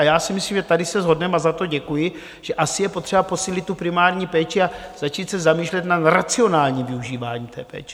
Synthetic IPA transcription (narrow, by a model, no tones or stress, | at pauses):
ajaːsɪmɪsliːmʒɛt̪adɪsɛzɦo̞dnɛmazat̪o̞ɟɛkujɪ | ʒ̥ɛʔasɪjɛpo̞t̪r̝̥ɛbapo̞siːlɪt̪ːupɾɪmaːɾɲiːpɛːt͡ʃɪaz̥at͡ʃiːt̪sɛzamiːʃlɛt̪naɾat͡sɪo̞naːlɲiːmvɪuʒiːvaːɲiːmt̪ɛ̰ːpɛ̰ːt͡ʃɛ̥